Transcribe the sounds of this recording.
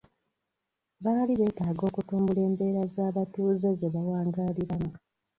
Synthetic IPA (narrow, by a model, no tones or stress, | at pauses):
βaːliβe̞ːtaːɡo̞ːkutuːmbule̞ːmbe̞ːɾazaːβatuːze̞ze̞βawaːŋɡaːliɾamu